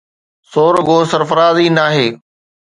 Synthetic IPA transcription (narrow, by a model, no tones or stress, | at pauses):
soːɾɡoːsɐɾfəɾaːziːnaːɦeː